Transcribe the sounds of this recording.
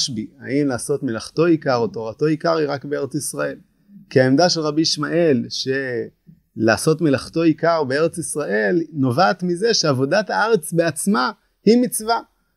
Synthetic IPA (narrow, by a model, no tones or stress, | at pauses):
ʃbia̰imlaːso̞tmelaχto̞ikaʁoto̞ʁato̞ikaʁiʁakbeeʁet͡sisʁae̞l | kiaemdaʃelʁabiʃmaʔe̞lʃe | laːso̞tmelaχto̞ikaʁbee̞ʁe̞t͡sisʁaʔe̞lno̞vaːt̪mize̞ʃeavo̞dathaaʁe̞t͡sbe̞at͡sma | himit͡sva